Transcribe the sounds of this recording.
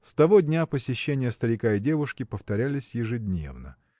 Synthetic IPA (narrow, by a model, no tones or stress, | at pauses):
st̪ɐvo̞dʲnʲapəsʲɪɕːenʲɪjəst̪əɾʲɪkaɪdʲe̞vʊʂkʲɪpəft̪ɐɾʲælʲɪsʲjɪʐɨdʲnʲe̞̰vnə̰